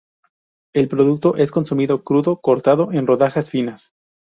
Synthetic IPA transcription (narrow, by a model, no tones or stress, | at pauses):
e̞lpɾo̞ðuk̚t̪o̞ʔe̞sko̞nsumiðo̞kɾuðo̞ko̞ɾt̪aðo̞ʔe̞nro̞ðaxasfinas